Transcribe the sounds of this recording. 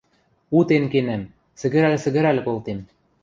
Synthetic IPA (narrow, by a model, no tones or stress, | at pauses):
ut̪enkenæm | sɘ̆ɡɘ̆ɾælɘ̆sɘ̆ɣɘ̆ɾælɘ̆kolt̪em